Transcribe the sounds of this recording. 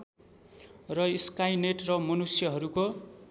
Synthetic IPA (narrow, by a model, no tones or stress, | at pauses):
rʌiskajneʈrʌmʌnusjʌɦʌɾuko